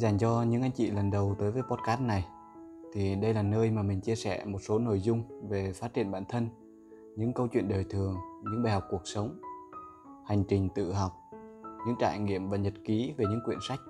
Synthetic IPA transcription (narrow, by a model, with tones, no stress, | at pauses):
zaː˨˩ŋt͡ɕɔ˧ɲɨ̰˧˥ŋʔa˧jŋ̟t͡ɕḭ˧˨lə˨˩nɗə˨˩wt̪əː˨˦jvəː˨˦jpɔ˦˥t̚kaː˦˥na˨˩j | t̪ʰi˨˩ɗə˧jlaː˨˩nəː˧jmaː˨˩mï˨˩ŋ̟t͡ɕi˧əsɛ̰˧˩mo˨˩t̚so˨˦no̰˧˨jzʊ˧ŋ͡mve˨˩faː˦˥t̚t͡ɕḭ˧˨ənɓa̰ː˧˨nt̪ʰə˧n | ɲɨ̰˧˥ŋkə˧wt͡ɕwḭ˧˨ənɗəː˨˩jt̪ʰɨ˨˩əŋɲɨ̰˧˥ŋɓaː˨˩jɦa˨˩k͡p̚ku˨˩ək̚sə˨˦wŋ͡m | ha˨˩jŋ̟t͡ɕï˨˩ŋ̟t̪ɨ̰˧˨ɦɔ˨˩wk͡p̚ɲɨ̰˧˥ŋt͡ɕa̰ː˧˨jŋḭ˧˨əmɓa̰ː˧˨˩ɲə˨˩t̚ki˨˦ve˨˩ɲɨ̰˧˥ŋkwḭ˧˨ənsa˦˥jk̟̚